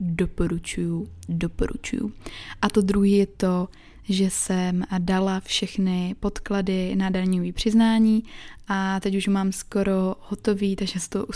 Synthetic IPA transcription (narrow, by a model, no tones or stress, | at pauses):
dopo̞ɾut͡ʃujudopoɾṵt͡ʃṵjṵʔat̪o̞d̪ɾuɦiːjɛt̪o̞ | ʒɛsɛmdalafʃɛxnɪpo̞t̪kladɪnadaɲoviːpr̝̥ɪznaːɲiːʔat̪ɛcuʃmaːmsko̞ɾo̞ho̞t̪o̞viːt̪aɡʒɛsɛt̪oʔu